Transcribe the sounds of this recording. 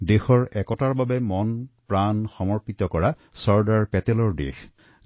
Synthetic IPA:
dexɔɹɛkɔtaɹbabɛmɔnpɹanxɔmɔɹpit̪ɔkɔɹa | sɔɹdaɹpɛtɛlɔɹdḛx

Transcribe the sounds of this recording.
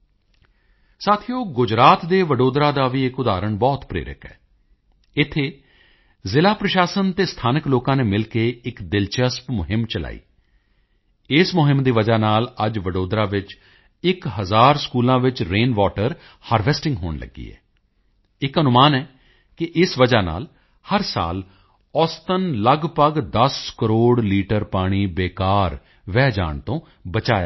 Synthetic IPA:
saːt̪ʰijoːɡʊd͡ʒɾaːt̪d̪eːʋəɖoːd̪ɾaːd̪aːʋiːɪkʊd̪aːɾəɳbɔːt̪pɾḛːɾɪ̰kɛ̰ː | ɪt̪ʰːeː | zɪlaːpɾəʃaːsənt̪eːst̪ʰaːnəkloːkãːneːmɪlkeːɪkd̪ɪlt͡ʃəspmʊɦɪmt͡ʃəla̰ːḭː | ɪsmʊɦɪmd̪iːʋəd͡ʒaːnaːləd͡ʒʋəɖoːd̪ɾaːʋɪt͡ʃ | ɪkɦəzaːɾskuːlãːʋɪt͡ʃɾeːnʋaːʈəɾ | haːɾʋɛːsʈɪ̃ŋɡɦoːɳlə̰ɡːḭːɛ̰ː | ɪkənʊmaːnɛː | kɪʔɪsʋəd͡ʒaːna̰ːl | həɾsa̰ːl | ɔːst̪ənləɡpəɡd̪əskəɾoːɽliːʈəɾpaːɽ̃iːbeːkaːɾ | ʋɛːd͡ʒa̰ːɳt̪õː | bət͡ʃaːja̰ː

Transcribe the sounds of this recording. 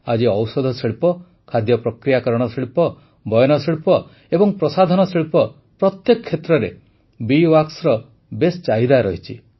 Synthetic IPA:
ad͡ʒiɔwsɔd̪ʱɔsiɭpɔ | kʰad̪jɔpɾɔkɾijakɔɾɔɽ̃ɔsiɭpɔ | bɔjɔnɔsiɭpɔ | ebɔŋpɾɔsad̪ʱɔnɔsiɭpɔ | pɾɔt̪jekɔkʰːet̪ɾɔɾe | biwaksɾɔ | best͡ʃaɦid̪aɾɔɦit͡ʃʰi

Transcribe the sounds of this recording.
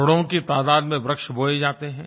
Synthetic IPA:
ʊɽõkit̪aːd̪aːd̪mẽbɾɐkʃbʱoːed͡ʒaːt̪eɦɛ̃ː

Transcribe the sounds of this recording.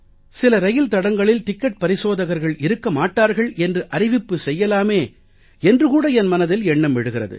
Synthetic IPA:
sɪlɐɾɐjɪlt̪ɐɽɐŋɡɐɭɪlt̪ɪkːɐʈ̚pɐɾɪsoːðɐɣɐɾɣɐɭɪɾɯkːɐmaːʈːaːɾɣɐɭɛndrɯʔɐɾɪʋɪpːɯsɛjːɐlaːmeː | ɛndrɯkuːɽɐɛnmɐnɐðɪlɛɳːɐmʋɪɽɯɣɪrɐ̰ðɯ̰

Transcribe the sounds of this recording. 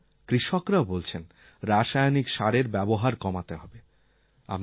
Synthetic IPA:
kɾiʃokɾaobolt͡ɕʰen | ɾaʃajonikʃaɽeɾbɛboɦaɾkɔmat̪eɦɔbe | a̰m

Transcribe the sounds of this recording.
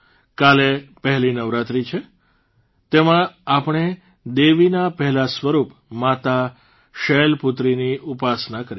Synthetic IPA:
kalepəɦlinəʋɾat̪ɾit͡ʃʰe | t̪emãapɳ̃e | d̪eʋinapəɦɛlasʋəɾup | mat̪a | ʃɛlput̪ɾiniupasnakəɾi

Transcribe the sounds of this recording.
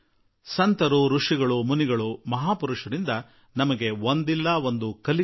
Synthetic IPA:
sɐnt̪ɐɾuɾuʂiɡɐɭumuniɡɐɭumɐɦaːpuɾuʂɐɾind̪ɐ | nɐmɐɡe̞ʋond̪ilːɐo̞nd̪ukɐli

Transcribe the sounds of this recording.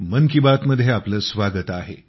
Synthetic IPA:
mənkibat̪məd̪ʱːjeapləːsʋaɡət̪aɦḛ

